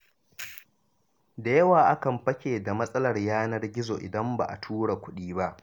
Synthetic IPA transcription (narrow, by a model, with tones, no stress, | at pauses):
da˨jɐ˦waː˨ʔa˦kɐ˨mɸɐ˦kʲeː˨da˨mɐ˦sʼɐ˦lɐ˨rjaː˦nɐ˦rɡʲɪ˦zoː˨ʔɪ̰˨dɐ˦mba̰ː˨ʔa̰˨tʰuː˦ɽa˨kʷʊ˦ɗiː˦ba˦ʔ